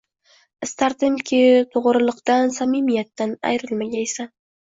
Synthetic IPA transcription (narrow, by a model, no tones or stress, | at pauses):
ɪst̪ʰaɾt̪ɪmkʲʰɪt̪ʰoʁɾɨlˠɨqt̪ansamimijat̪ːana̰jɾɪlmaɡʲaesa